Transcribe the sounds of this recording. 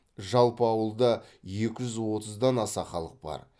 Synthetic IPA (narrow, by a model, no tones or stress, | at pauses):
ʒɑlˠpəɑwəlˠd̪ɑ | je̞kʲɪʒʏzwo̞t̪əzd̪ɑnɑsɑχɑlˠəq̚b̥ɑ̰ɾ